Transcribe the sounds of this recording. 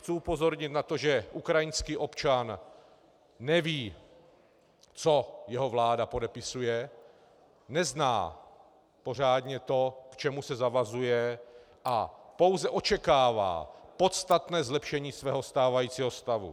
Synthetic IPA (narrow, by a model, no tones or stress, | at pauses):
xt͡suupo̞zo̞ɾɲɪt̪nat̪o̞ʒɛʔukɾajɪnskiːʔo̞pt͡ʃan | ɛviː | t͡so̞jɛɦo̞vlaːdapo̞dɛpɪsujɛ | nɛzna̰ː | po̞r̝aːdɲɛt̪o̞kt͡ʃɛmusɛzavazujɛ | ʔapo̞wzɛʔo̞t͡ʃɛkaːva̰ːpo̞t̪st̪at̪nɛːzlɛpʃɛɲiːsvɛːɦo̞st̪aːvajiːt͡siːɦo̞st̪avṵ